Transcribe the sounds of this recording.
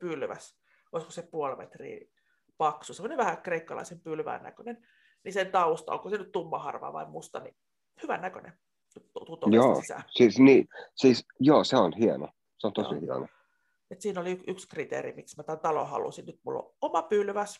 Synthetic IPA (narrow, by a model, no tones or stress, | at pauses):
pylʋæ̰s | oisko̥sepuolmḛt̪rḭː | pɑksusemːoneʋʋæhækreikːɑlɑ̰isempylʋæ̰ːnæ̰kønen | nisent̪ɑust̪ɑ̰o̰ŋkosenyt̪t̪umːɑhɑ̰rʋɑ̰ːʋɑ̰immust̪ɑni | hyʋæ̰nːækø̰nḛn | t̪ut̪ut̪ojoːsæ̰siːsniːsiːsjoːseonhiɑno̰ | seont̪oihiɑ̰no̰ | et̪siːnoliykykskrit̪ḛrḭmiksmæt̪ænt̪ɑlo̰hɑ̰lṵsinnyt̪mṵlːo̰omɑpylʋæs